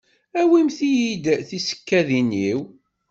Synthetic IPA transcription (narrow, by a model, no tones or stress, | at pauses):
æwimθijid̪θisə̥kːæðiniw